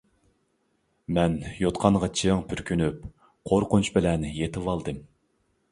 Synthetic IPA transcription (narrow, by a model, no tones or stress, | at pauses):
mɛnjot̪qʰɑɴʁɑt͡ʃʰiŋpʰyɾkʲʰynyp̚ | qʰoɾqʊnt͡ʃbɪlɛnjet̪ʰɨwɑlˠd̪ɨm